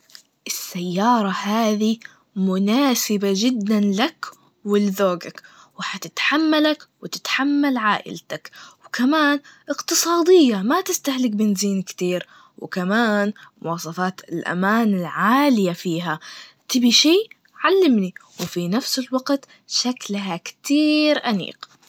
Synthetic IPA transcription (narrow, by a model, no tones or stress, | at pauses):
ʔɪsːajːɑːɾˤɑhaːði | mʊnaːsɪbad͡ʒɪd̪ːanlak | wɪlːðoːɡak | wɪħat̪ɪt̪ħamːalakwɪt̪ɪ̥t̪ħamːalʕaːʔɪ̰lt̪akwɪkamaːnʔɪqt̪ɨsˤɑːd̪ɪjːamat̪ɪst̪ahlɪk̚bɪnziːnkt̪iːɾ | wɪ̰kamaːnmʊwɑːsˤɑfɑːt̪ɪlʔa̰maːnɪlʕaːlɪjafiːɦat̪ɪbiʃiː | ʕalːɪmniwɪfinafsɪlwɑɡt̪ | ʃaklɦakt̪iːɾʔanḭːq